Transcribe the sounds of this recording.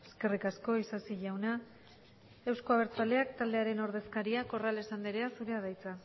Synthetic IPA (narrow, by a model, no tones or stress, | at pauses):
e̞ske̞rikasko̞isasiʝawna | e̞wsko̞aβ̞e̞ɾt͡sale̞akt̪ald̪e̞aɾe̞no̞ɾðe̞skaɾiako̞rale̞sand̪iɾe̞asuɾe̞aðajt͡sa